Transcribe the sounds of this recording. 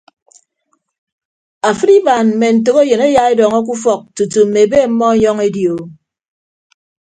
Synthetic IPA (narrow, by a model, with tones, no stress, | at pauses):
a˨fɨ˦ɾi˦ba˨nm̩˨me˨n̩˨t̬o˨ke˦jɨ˨ne˦ja˦e˦dɔ˨ŋɔ˦k̬u˦fɔ˨k̚tu˨tu˨m̩˨me˨be˦˨m̩˦mɔ˦ɲɔ˦ŋe˦djo˨